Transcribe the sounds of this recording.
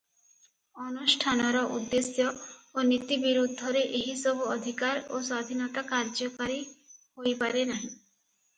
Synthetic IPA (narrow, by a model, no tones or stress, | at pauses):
ɔnusʈʰanɔɾɔʔud̪ːesjɔonit̪ibiɾud̪ʱːɔɾeʔeɦisɔbuɔd̪ʱikaɾoswad̪ʱinɔt̪akaɾd͡ʒɔkaɾiɦojpaɾenaɦĩ